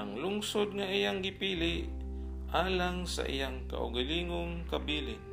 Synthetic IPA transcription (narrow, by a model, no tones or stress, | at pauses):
aŋlʊŋsod̪̚ŋaʔijaŋɡɪpiːlɪʔ | ʔaːlaŋsa̰ʔɪ̰jaŋka̰ʔʊ̰ɡaliːŋʊŋkabiːlɪ̰